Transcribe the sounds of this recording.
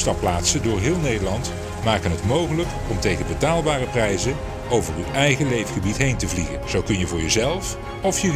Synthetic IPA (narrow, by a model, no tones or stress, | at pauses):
stɑplaːtsədʊːɹɦɪːlˠnejdəlɑnt | maːkənɦətmowχələk | ɔmtejχənbətaːlˠbaːrəprɛjzə | owvəryʔɛjχəlejfχəbitɦejntəvliɣənz̥owkɵnjəvʊːɹjəzɛlˠf | ɔfjə